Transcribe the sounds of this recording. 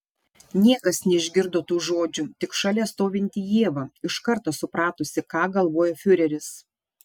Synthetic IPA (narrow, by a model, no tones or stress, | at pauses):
nʲiɛkɐsnʲɛɪʒʲɡʲɪɾd̪oːt̪uːʒoːd͡ʒʲʊt̪ʲɪkʃɑlʲɛːst̪oːʋʲɪnʲt̪ʲɪjiɛːʋɑːɪʃkɐɾt̪oːsʊpɾɑːt̪ʊsʲɪkɑːɡɐlˠʋoːjoːfʲʊɾʲɛɾʲɪs